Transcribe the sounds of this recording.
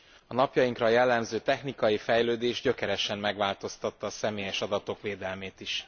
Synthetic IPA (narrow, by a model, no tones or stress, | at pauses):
ɒnɒpjɒjiŋkrɒjɛlːɛmzøːt̪ɛxnikɒjifɛjløːd̪eːʒɟø̞kɛɾɛʃɛmːɛɡʋaːlt̪o̞st̪ɒt̪ːɒːsɛmeːjɛʃɒd̪ɒt̪o̞kʋeːd̪ɛlmeːt̪iʃ